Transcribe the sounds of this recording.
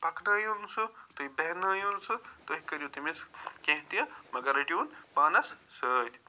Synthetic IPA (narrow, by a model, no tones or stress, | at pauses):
pɐkdɐːjunsɨt̪uibeɦnɐːjunsɨt̪oɦikːɐɾʲjut̪imiskẽɦt̪ijɐmɐɡɐɾɐʈjuːnpaːnɐssəːt̪ʲ